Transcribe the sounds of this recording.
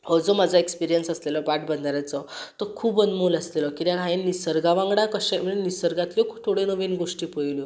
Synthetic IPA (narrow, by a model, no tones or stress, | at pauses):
hɔɾd͡zɔmad͡zʱaekspiɾijənsəslelɔbaʈbənd̪aɾjat͡sɔt̪əkʰuːbənmoləslelɔkiɾjaɡʱainnisəɾɡaʋãŋɡɽakəɕam̤əɭenisəɾɡat̪ljɔkʰut̪ʰːoɽenəʋinɡoʂʈiːpəjljo